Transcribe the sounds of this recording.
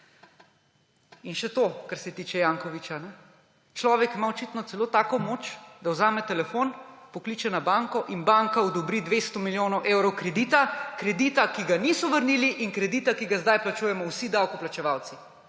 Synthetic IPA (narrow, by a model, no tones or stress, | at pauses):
inʃɛt̪okaɾsɛt̪iːt͡ʃɛjaːŋkɔʋit͡ʃanɛ | t͡ʃlɔːʋɛkmaɔt͡ʃit̪nɔt̪sɛloːt̪aːkɔmoːt͡ʃd̪awzaːmɛt̪ɛlɛfonpɔkliːt͡ʃɛnabaŋkɔʔinbaŋkaɔd̪ɔbɾid̪ʋest̪ɔmiljoːnɔwʔewɾɔwkɾɛd̪iːt̪akɾɛd̪iːt̪akiɡaniːsɔʋəɾniliʔiŋkɾɛd̪iːt̪akiɡazd̪ajplat͡ʃujɛmɔwsid̪awkɔplat͡ʃɛʋawt̪si